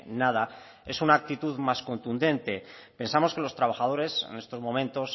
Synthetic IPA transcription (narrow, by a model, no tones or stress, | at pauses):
nað̞a | e̞sunaːk̚t̪it̪uðmasko̞nt̪und̪ẽ̞nt̪epe̞nsamo̞ske̞lo̞st̪ɾaβ̞axað̞o̞ɾe̞sḛne̞st̪o̞zmomẽ̞nt̪o̞s